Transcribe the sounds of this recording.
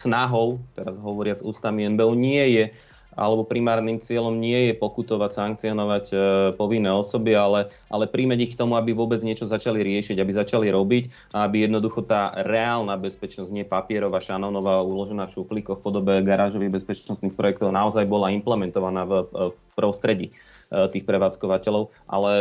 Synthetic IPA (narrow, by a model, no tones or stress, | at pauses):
snaɦɔʊt̪ɛɾazɦɔʋɔɾɪad͡zuːst̪amiɛnbɛuɲɪɛjɛ | ʔa̰lɛbɔpɾimaːɾnimt͡sɪɛʎɔmɲɪɛjɛpɔkut̪ɔʋacsaŋk̚t͡siɔnɔʋacpɔʋinːɛːɔsɔbialɛʔa̰lɛpɾiːmɛɟixkt̪ɔmuabiʋʊɔbɛd͡zɲɪɛt͡ʃɔzat͡ʃaliɾɪɛʃiɟabizat͡ʃaliɾɔbic | aabijɛd̪nɔd̪uxɔt̪aːɾɛaːlnaːbɛspɛt͡ʃnɔzɟɲɪɛpapɪɛɾɔʋaːʃanɔnɔʋaːuːlɔʒɛnaːfʃuplikɔfpɔd̪ɔbɛɡaɾaːʒɔʋiɣbɛspɛt͡ʃnɔst̪nixpɾɔjɛk̚t̪ɔʊnaɔzajbɔlaimplɛmɛnt̪ɔʋanaːff | pɾɔst̪ɾɛɟḭ | t̪iːxpɾɛʋaːt͡skɔʋacɛlɔʊ | ʔa̰lɛ